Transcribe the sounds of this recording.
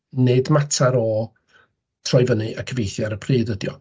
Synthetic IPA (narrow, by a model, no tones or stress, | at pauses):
nedmatʰaɾɔ | tʰrɔjvənɨʔakʰəvejθjaɾəpʰriːðədjɔ̰